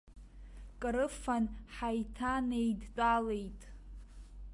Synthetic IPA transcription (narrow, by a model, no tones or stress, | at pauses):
kʼɨɾɨfanħajtʰane̞jdt͡pʼale̞jtʼ